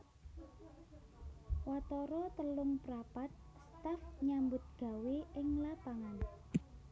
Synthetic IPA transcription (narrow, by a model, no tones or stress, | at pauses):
wat̪ɔɾɔt̪əlʊŋpɾapat̪̚st̪afɲambʊt̪̚ɡ̥a̤weɪŋlapaŋan